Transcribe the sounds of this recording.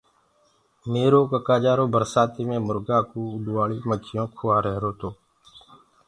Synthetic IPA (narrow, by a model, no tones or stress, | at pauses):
meːɾoːkəkaːd͡ʒaːɾoːbəɾsaːt̪iːmẽːmʊɾɡaːkuːʊɗ̪uʋaːɭiːmət͡ʃʰɪjõːkʰʊːaːɾəɦɾoːt̪oː